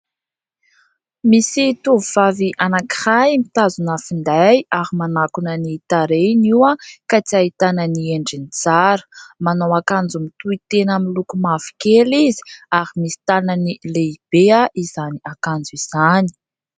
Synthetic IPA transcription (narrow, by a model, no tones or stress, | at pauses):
misit̪uvuv̥aviʔanaki̥hamit̪azunafind̪ajaɦimanakunənit̪aɾeniwəkat͡siait̪anənieɳɖ͡ʐinit͡saɾə̥manawakand͡zumit̪uit̪enamilukumavi̥kelizi̥aɾimisi̥t̪ananileib̥eaʔiz̥aniakand͡zuiz̥ani̥